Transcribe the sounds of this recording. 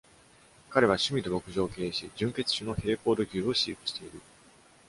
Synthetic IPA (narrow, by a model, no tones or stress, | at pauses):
kaɾe̞βaɕɨmʲid̪o̞bo̞kɯ̟ʑo̞ːke̞ːɕid͡ʑɨ̃ŋke̞t͡sɨ̥ɕɨno̞he̞ːko̞ːd̪o̞kʲɨːo̞ɕiːpɯ̟ɕi̥t̪e̞iɾɯ̟